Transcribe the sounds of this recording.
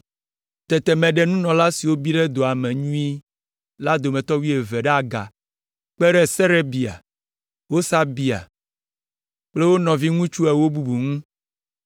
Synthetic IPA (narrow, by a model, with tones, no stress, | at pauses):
t̪ɛ˨t̪ɛ˨mɛ̃˨ɖɛ˦nũ˦nɔ̃˨la˦si˨wo˦bi˦ɖɛ˦d̪o˨a˨mɛ̃˨ɲũ˦i˦ | la˦d̪o˨mɛ̃˨t̪ɔ˦wi˦e˨vɛ˨ɖɛ˦a˨ɡa̰˨ | k͡pɛ˦ɾɛ˦sɛ˦ɾe˦bi˨a̰˨ | wo˦sa˦bi˨a̰˨ | k͡ple˦wo˦nɔ̃˨vi˦ŋũ˦t͡ʃu˦ɛ˨wo˦bu˨bu˨ŋũ˦